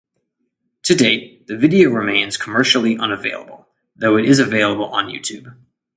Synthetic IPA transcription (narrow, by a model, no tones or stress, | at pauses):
tʰɨdeɪt̪̚ðɨvɪɾioʊɹɨmẽɪ̃nz̥kʰəmɜ˞ʃl̩ˠiʔʌ̃nəvḛɪlˠə̰bl̩ˠ | ðoʊɨɾʔɪzɨveɪlˠəbl̩ˠə̰̃njʉ̰tʰʉb̥